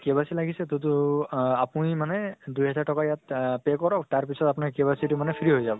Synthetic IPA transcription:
kebasilaɡisɛtutʊapunimanɛdujɦɛzaɹtɔkajatpɛkɔɹɔktaɹpisɔtapʊnaɹkebasitʊmanɛpʰiɹiɦojzabɔ

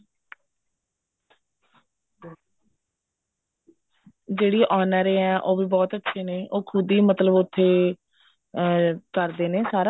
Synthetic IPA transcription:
d͡ʒeːɽiːʔaːnaːɾeːɛ̃ːʔoːbiːbɔːt̪ətːʃʰeːneːʔoːkʰʊd̪iːmət̪ləbʊt̪ʰːeː | kəɾd̪eːneːsaːɾa

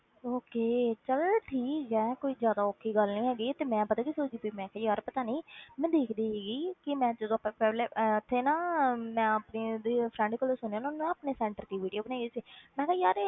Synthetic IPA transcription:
oːkeːt͡ʃəlʈʰiːkd͡ʒɛ̃ːkoːiːzjaːd̪aːoːkʰːiːɡəlnĩːɦɛːɡiːt̪eːmɛ̃ːpət̪aːkisoːd͡ʒiːbiːmɛ̃ːkɛːjaːɾpət̪aːniːmɛ̃ːd̪eːkʰd̪iːɦɛːɡiːkɪmɛ̃ːd͡ʒəd̪õːpɛːlɛːt̪ʰːeːnãːmɛ̃ːəpniːd̪eːpʰɾɛ̃ɳɖkəːlesʊneaːnãʊnːũaːpneːsɛ̃ːɳʈəɾt̪iːʋiːɖijoːbənaːɡeːsiːmɛ̃ːkɛːjaːɾe

